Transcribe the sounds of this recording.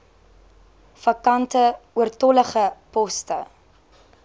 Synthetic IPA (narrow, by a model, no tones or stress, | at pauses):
fɐkɐntəuərtɔləχəpɔstə